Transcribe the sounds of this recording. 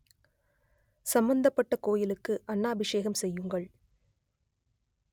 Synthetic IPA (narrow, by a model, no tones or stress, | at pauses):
sɐmbɐnd̪ɐpːɐʈːɐkoːjɪlɯkːɯʔɐɳːaːbɪʂeːɣɐmsɛjːɯŋɡɐɭ